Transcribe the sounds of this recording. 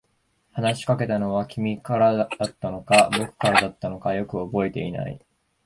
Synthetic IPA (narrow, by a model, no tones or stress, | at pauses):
hanaɕi̥kake̞t̪ano̞βakʲʰimʲikaɾaat̪ːano̞kabo̞kɯ̟̥kaɾad̪at̪ːano̞kajo̞kɯ̟o̞bo̞e̞t̪e̞̰ḭna̰ḭ